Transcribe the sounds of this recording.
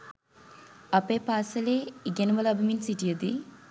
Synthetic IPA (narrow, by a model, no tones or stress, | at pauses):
ɐpepaːsɐleːiɡenuʋɐlɐbiminsiʈijɐd̪ḭ